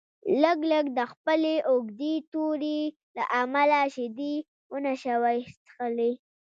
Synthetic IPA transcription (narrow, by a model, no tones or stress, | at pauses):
ləɡləɡd̪əxpəleʔoɡd̪et̪oɾe | la̰ʔamalaʃɪd̪i | wənaʃawajtxəli